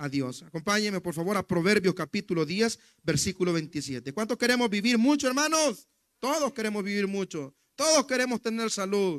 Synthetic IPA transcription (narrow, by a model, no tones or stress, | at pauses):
aðjo̞sako̞mpaɲeme̞poɾfaβo̞ɾapɾo̞βe̞ɾβjo̞skapit̪uloðjes | beɾsikulo̞βent̪isjet̪ekwant̪oskeɾemozβiβiɾmut͡ʃoeɾmanos | t̪oðoske̞ɾe̞mozβiβiɾmut͡ʃo̞ | t̪oðoske̞ɾe̞most̪eneɾsaluð